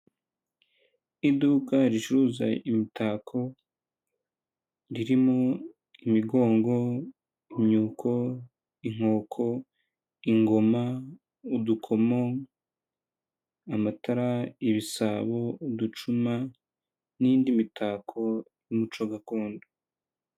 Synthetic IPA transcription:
iduːkaɾit͡ʃuɾuːza̰imitaːkʰo̞ | ɾiɾimo | imiɡo̞ːŋɡo̞ | imɲuːkʰo̞ | iŋ̥o̞ːkʰo̞ | iŋɡo̞ma | udukʰo̞mo | amataɾaiβisaβo̞udut͡ʃuma | niːndimitʰaːkʰo̞ | jumut͡ʃo̞ɡakoːndo

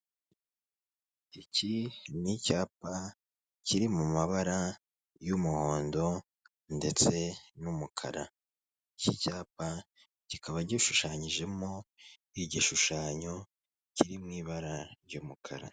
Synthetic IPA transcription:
icinicaːp̚a | ciɾimumaβaɾa | jumuho̞ːndo̞ | nde̞t͡se̞numukʰa̰ɾa̰ | icicaːpa | cikʰaβaɾɟiʃuʃaːɲiʒe̞mo̞iɟiʃuʃaːɲo̞ | ciɾimŋiːβaɾaɾɟumukʰaɾa̰

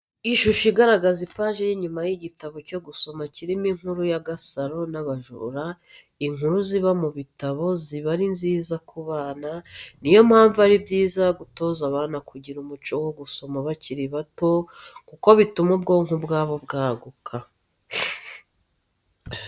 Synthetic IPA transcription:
iʃuʃiɡaɾaɡazipaːʒejiɲumajiɟitaβo̞co̞ɡuso̞maciɾimiŋ̥huɾujaɡasaɾo̞naβaʒṵɾa | iŋuɾuziβamuβitaβo̞ziβaɾinziːzakʰuβaːnanijo̞mhaːɱvuaɾibɟiːzaɡuto̞ːzaβaːnakuɟiɾumut͡ʃowoɡuso̞maβaciɾiβato̞kuko̞βitumub̚ɡo̞ːŋubɡaːβo̞bɡaːɡukʰa

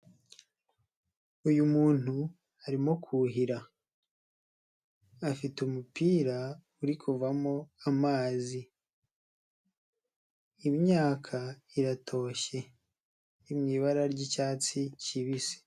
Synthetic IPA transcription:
ujumuːn̥hu | haɾimo̞kʰuɦiɾa | fitumupiːɾa | uɾikʰuvamo̞amaːzi | mɲaːkʰaiɾatʰo̞ːʃe̞ | imŋiːβaɾaɾɟicaːt͡siciβise̥

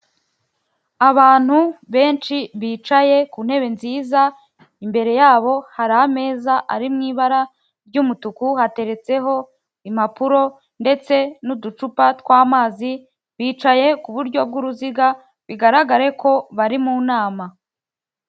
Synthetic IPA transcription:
aβaːn̥huβe̞ːnt͡ʃiβiːt͡ʃaje̞kuːnhe̞βe̞nziːza | imbe̞ɾe̞jaːβo̞haɾaame̞ːzaʔaɾimŋiːβaɾa | bɟumutukuhate̞ɾe̞t͡se̞ɦo̞ | im̥apuɾo̞ | nde̞t͡se̞nudut͡ʃupatwaːmaːzi | βiːt͡ʃaje̞kuβuɾɟo̞b̚ɡuɾuziɡa | βiɡaɾaɡaɾe̞kʰo̞βaɾimunaːma

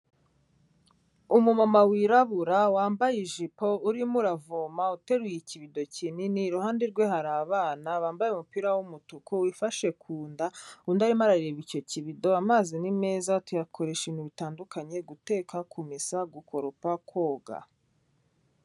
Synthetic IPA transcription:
umumamawiɾaβuɾawaːmbajeʒipo̞uɾimuɾavomaute̞ɾujiciβido̞cininiɾuhaːndeɾɡwe̞haɾaːβaːnaβaːmbajeumupiːɾawumutukʰuwifaʃe̞kʰuːndaundaɾimaɾaɾiɾeβico̞ciβido̞amaːzinimeːzatujakʰo̞ɾe̞ʃeniβitaːndukʰaɲe̞ɡute̞ːkʰakʰumisaɡuko̞ɾopakʰwo̞ːɡa̰

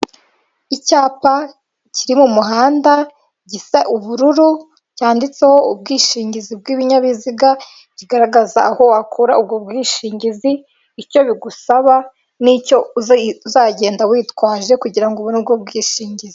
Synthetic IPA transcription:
icaːpa | ciɾimumuɦaːnda | ɟisaʔuβuɾuɾu | caːndit͡se̞ho̞ub̚ɡiːʃiːɲɟizib̚ɡiːβiɲaβiziɡa | ɟ̥iɡaɾaɡaza̰ːho̞akʰuːɾa̰ub̚ɡobɡiːʃiːɲɟiziː | co̞βiɡusaβa | nico̞uuzaːɟe̞ːndawiːtkwaːʒe̞kuɟiɾaŋɡoβunub̚ɡob̚ɡiːʃiːɲɟizi

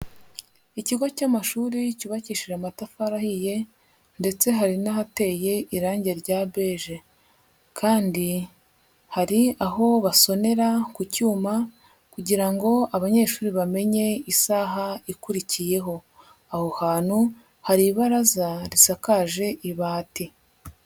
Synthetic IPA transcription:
iciɡocamaʃuːɾicuβaciʃiɾamatafaɾahije̞ | nde̞t͡se̞ɦaɾinaɦate̞ːje̞ʔiɾaːɲɟe̞ɾɟabe̞ʒe̞ | kʰaːndi | haɾiaɦo̞βaso̞ne̞ɾakucuːma | kuɟiɾaŋɡo̞aβaɲe̞ːʃuːɾiβame̞ɲe̞isaɦaikuɾicije̞ɦo̞ | aho̞haːn̥hu | haɾiβaɾazaɾisakaʒe̞ʔiβaːti

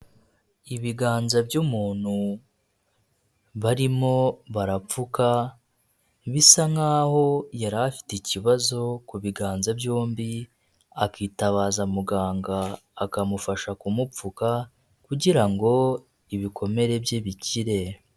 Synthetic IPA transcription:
iβiɡaːnzabjumuːn̥hu | βaɾimo̞βaɾap͡fuka | βisaŋaːho̞jaɾafi̥teciβazo̞kuβiɡaːnzabjoːmbi | akiːtaβaːzamuɡaːŋɡaːkamufaʃakumup͡fuka | kuɟiɾaŋɡo̞ | iβikʰo̞me̞ɾe̞bjeβiciɾe̞

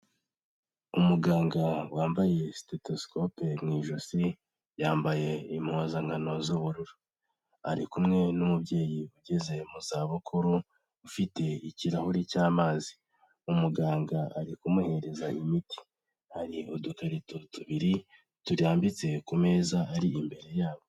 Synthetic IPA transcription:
umuɡaːŋɡawaːmbaje̞steto̞sko̞pemŋiːʒosi | jaːmbaje̞imhoːzaŋɡano̞zuβuɾuɾu | aɾikumŋe̞numubɟe̞ːjiuɟe̞ze̞muzaːβukʰuɾu | ufite̞iciɾahuɾicaːmaːzi̥ | umuɡaːŋɡaaɾikumuhe̞ɾe̞zaʔimiti̥ | haɾiudukaɾitutuβiɾi | tuɾaːmbit͡se̞kume̞ːzaʔːɾiʔimbe̞ɾe̞jaːβo

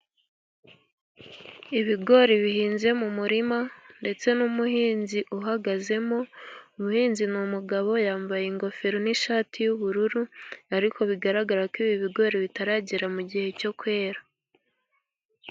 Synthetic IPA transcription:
iβiɡo̞ɾiβihiːnze̞mumuɾimande̞t͡se̞numuhiːnziʔuɦaɡaze̞mo̞umuhiːnzinumuɡaβo̞jaːmbajeŋɡo̞fe̞ɾoniʃaːtʰijuβuɾuɾuaɾikʰo̞βiɡaɾaɡaɾakiːβiβiɡo̞ɾeβitaɾaɟiɾamuɟihe̞co̞kwe̞ːɾa

